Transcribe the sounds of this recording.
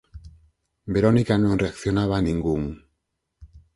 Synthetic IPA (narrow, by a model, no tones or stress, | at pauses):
be̞ɾo̞nikanonre̞akθjo̞naβ̞aniŋɡuŋ